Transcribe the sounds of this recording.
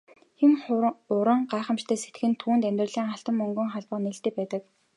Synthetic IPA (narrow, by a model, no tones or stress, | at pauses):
xemʊɾə̆ɴɢaːχə̆mt͡ɕt̪ʰæːset̪̆xɘ̆nt̪ʰuːnt̪æmʲt̪rə̆ɮiːŋaɬt̪ə̆mːɵŋɡɵ̆ŋχaɮpə̆qneɬt̪eːpæːt̪ə̆k